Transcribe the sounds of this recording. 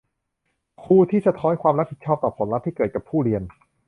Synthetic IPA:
kʰuː˧t̪ʰiː˥˩sa˧t̪ʰɔː˦˥nkʰwaː˧mɾa˦˥p̚pʰi˨˩t̪̚t͡ɕʰɔː˥˩p̚t̪ɔː˨˩pʰo˩˦nɾa˦˥t̪̚ʰːiː˥˩kɤː˨˩t̪̚ka˨˩pʰːuː˥˩ɾi˧ən

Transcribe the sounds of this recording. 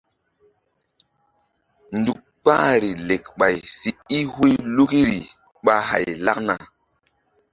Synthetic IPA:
ndu˨k̚k͡pa̰˦ɾi˨le˨kɓa˨jsi˨i˦hu˦jlu˦ki˦ɾi˨ | ɓa˦ɦa̰˨jla˦k̚na̰˨

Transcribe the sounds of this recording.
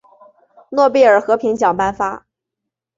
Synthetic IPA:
nwɔ˥˧pi˥˩ə˞˨˩xɤ˧˥pʰi˧˥ŋt͡ɕjɑ˨˩ŋpa˥˧nfa˥

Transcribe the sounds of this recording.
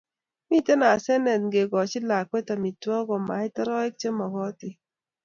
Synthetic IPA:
mi˦te˦na˨sɛ˦nɛ˨tŋɡe˨ɡɔ˨t͡ʃɪ˦la˨kwe˦ta˨mi˨tɔ˦ɡɔ˨ma˨˦ɪ˦tɛ˦ɾɔ˦ɛ˦k̚t͡ʃe˦mɔ˨ɡɔ˦tɪ˦

